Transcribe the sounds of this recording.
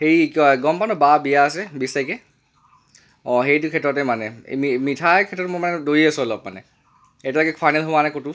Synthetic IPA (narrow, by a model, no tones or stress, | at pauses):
heɹikɔɛɡɔmpanɔbabijaːsɛbisakɛ | ɔɦejtukʰɛtɹɔtɛmanɛ̰mimitʰakʰɛtɹɔtmɔmanɛdoɹiasʊɔlɔp̚manɛ̰ | etialɔkɛkʰajnɛlɦobanajkotu